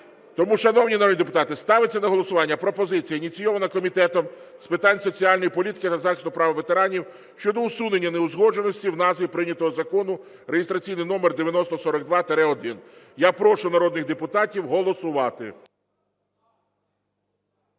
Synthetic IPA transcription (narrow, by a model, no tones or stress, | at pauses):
t̪ɔmuʃɐnɔwnʲinɐɾɔd̪nʲid̪ep̬ʊt̪ɑt̪ɪst̪ɑʋɪt͡sʲːɐnɐɦɔlˠɔsʊʋɑnʲːɐpɾɔpɔzɪt͡sʲijɐinʲit͡sʲijɔʋɐnɐkɔmʲit̪ɛt̪ɔm | spɪt̪ɑnʲsɔt͡sʲiɑlʲnɔjipɔlʲit̪ɪ̥kɪt̪ɐzɑxɪsʊpɾɑʋɐʋet̪eɾɑnʲiw | ʃt͡ʃɔd̪ɔʊsune̞nʲːɐneʊzɦɔd͡ʒe̞nɔsʲtʲiwnɑzʋʲipɾɪnʲɐt̪ɔɦɔzɐkɔnʊ | ɾejɪst̪ɾɐt͡sʲijnɪjnɔmerd̪eʋʲjɐnɔst̪ɔsɔɾɔɡ̚d̪ʋɑt̪eɾɛɔd̪ɪn | japɾɔʃʊnɐɾɔd̪̚nɪɣd̪epʊt̪ɑtʲiwɦɔlˠɔsʊʋɑt̪ɪ̰